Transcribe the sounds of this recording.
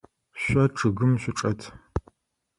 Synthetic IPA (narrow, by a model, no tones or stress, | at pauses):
ɕʷɐʈ͡ʂʰɨɣɨmɕʷʊʈ͡ʂʼɐtʰ